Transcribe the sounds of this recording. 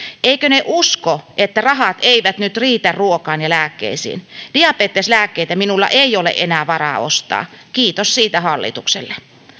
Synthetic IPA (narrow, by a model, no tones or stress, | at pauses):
ʔeikøneʔuskoʔet̪ːærɑhɑt̪eiʋæt̪nyt̪riːt̪ærruokɑːnjɑlæːkːḛisḭːndl̥iɑpeːt̪ːeslæːkːeit̪æminulːɑ̰ʔeijolḛʔenæːʋɑrɑ̰ːo̰st̪ɑ̰ːkiːt̪ossiːt̪æhɑlːḭt̪uksḛlːe